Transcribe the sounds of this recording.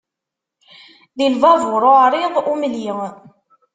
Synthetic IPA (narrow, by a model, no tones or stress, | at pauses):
ðilvɑvʊɾˤoʕɾˤɪðˤumliŋ